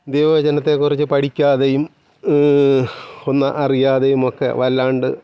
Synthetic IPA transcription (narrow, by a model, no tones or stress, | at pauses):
d̪eːʋɐʋɐd͡ʑɐnɐt̪ːe̞kurit͡ɕːɨpɐɽikʲːaːðe̞jum | onːɐ̰ʔɐrijaːðejumokːe̞̰ʋɐlːaːɳɖɨ